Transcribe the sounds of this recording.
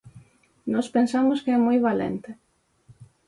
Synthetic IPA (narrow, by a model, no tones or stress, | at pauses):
nɔspensamʊskeɛmojβalɛ̰nt̪ɪ